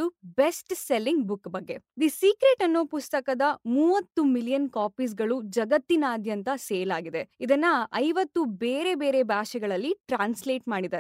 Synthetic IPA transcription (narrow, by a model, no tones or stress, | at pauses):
ube̞sʈselːiŋɡbukːbɐɡːe̞d̪isiːkɾeʈɐnːoːpust̪ɐkɐd̪ɐmuːʋɐt̪ːumiljɐnkaːpiːs̬ɡɐɭud͡ʒɐɡɐt̪ːinaːd̪ʱjɐnt̪ɐseːlaːɡid̪e̞id̪ɐnːɐɐjʋɐt̪ːubeːɾe̞be̞ːɾe̞baːʃɛɡɐɭɐlːiʈɾaːnsleːʈmaːɽid̪aɾ